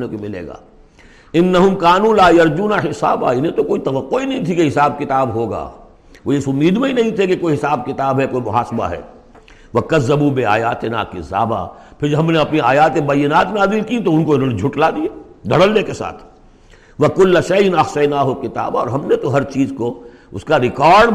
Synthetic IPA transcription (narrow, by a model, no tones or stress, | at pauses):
nekomɪlḛːɡa̰ː | ɪnːɐɦʊmkaːnũːlaːjɐɾd͡ʒuːnaħɪsa̰ːba̰ɪnẽt̪okoːit̪ɐʋɐqːoinɐɦĩt̪ʰikeɦɪsaːb̚kɪt̪aːbɦoːɡa̰ː | ʋoɪsʊmːiːd̪mẽɦinɐɦĩt̪ʰekekoːiɦɪsaːb̚kɪt̪aːbɦɛkoːimʊɦaːsba̰ɦɛ̰ː | ʋɐkɐzːɐbuːbɪa̰ːjaːt̪ɪna̰ːkɪsa̰ːba̰ːpʰɪɾd͡ʒɦɐmneɐpniaːjaːt̪ẽbɐjːɪnaːt̪mẽnaːzɪlkit̪oʊnkoɪnoːned͡ʒʱʊʈlaːd̪iaː | d̪ʱɐɽəlnekesa̰ːt̪ʰ | ʋɐkʊlːʃɐjnɐxsɐjnaːɦokɪt̪a̰ːbɔ̰ːɾɦɐmnet̪oɦɐɾt͡ʃiːzko | ʊskaɾɪkaːɾɖ